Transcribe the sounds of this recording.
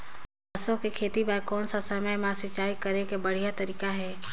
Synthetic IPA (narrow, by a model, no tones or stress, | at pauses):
əsõkekʰeːt̪ibəɾkɔːnsasəməjmãsɪt͡ʃaːikəɾekebəɽ̤ijat̪əɾiːkaɦɛː